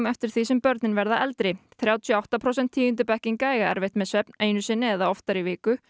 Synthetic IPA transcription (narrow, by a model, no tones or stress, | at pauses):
mɛft̪ɪɾ̥θisɛmpœɾt̪nɪnvɛɾðaʔɛlt̪ɾɪθɾjaːwt̪ʰjɔawht̪apʰɾowsɛn̥t̪ʰːiːjnt̪ʏpɛhcɪŋkaːjɣaɛ̰ɾvejht̪mɛsvɛpneːjnʏsɛnɛɛðaɔft̪aɾivɪːkʏ